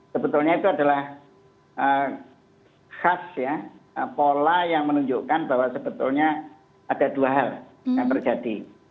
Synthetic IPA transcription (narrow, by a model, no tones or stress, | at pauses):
səbət̪ʊlɲait̪uadalah | ʔə | xasjaəpolajaŋmənuɲd͡ʒʊʔkanbaɦwasəb̥ət̪ʊlɲa | ad̥aduaɦal | jaŋp̪ərd͡ʒad̥i